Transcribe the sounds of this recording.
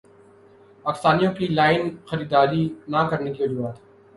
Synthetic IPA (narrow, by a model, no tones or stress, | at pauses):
paːkɪst̪aːnijõkilaːɪnxɐɾiːd̪aːlinakɐɾnekiʋɐd͡ʒuːɦaːt̪ɦ